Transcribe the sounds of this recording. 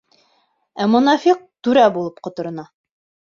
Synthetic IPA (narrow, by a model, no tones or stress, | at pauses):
æmŭnɑfiq̚t̪ʉɾæbulˠɤpqŏt̪ŏɾɤ̆nɑ